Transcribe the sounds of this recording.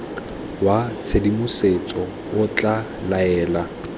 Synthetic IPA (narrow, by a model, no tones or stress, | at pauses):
wat͡sʰedimʊset͡sʼɔ | ʊt͡ɬʼa | laɛːla